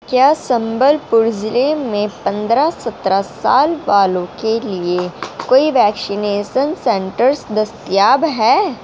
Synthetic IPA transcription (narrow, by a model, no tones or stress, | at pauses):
kjaːsɐ̃mbəlpʊɾd͡ʒleːmẽpɐ̃nd̪ɾasɐt̪ɾasa̰ːlʋaːlõkeliekoːiʋɛːksɪneːʃənsɛ̃ɳʈəɾsd̪ɐst̪jaːbɦɛː